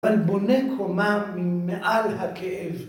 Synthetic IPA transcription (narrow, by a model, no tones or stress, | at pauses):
albonekʰomamimeʔalhakʰeʔel